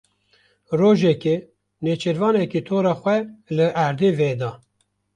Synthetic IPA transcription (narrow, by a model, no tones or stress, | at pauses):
roːʒɛke | net͡ʃʰeɾvɑːnɛkiːt̪ʰoːɾɑːxʷɛlɨʔæɾd̪eːveːd̪ɑ